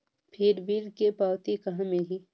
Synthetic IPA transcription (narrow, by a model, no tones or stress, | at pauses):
pʰɪɾʋiɾkepaːwt̪ikɐɦãmẽɦi